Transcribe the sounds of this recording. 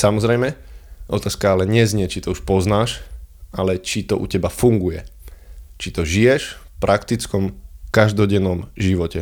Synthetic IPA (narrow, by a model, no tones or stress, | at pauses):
samɔzɾɛjmɛʔɔt̪aːskaalɛɲɛzɲɛt͡ʃit̪ɔuʃpɔznaːʃalɛt͡ʃit̪ɔʔṵcɛbafuŋɡujɛ | t͡ʃit̪ɔʒijɛʃfpɾʔakt̪it͡skɔmkaʒd̪ɔɟɛnːɔmʒiʋɔcɛ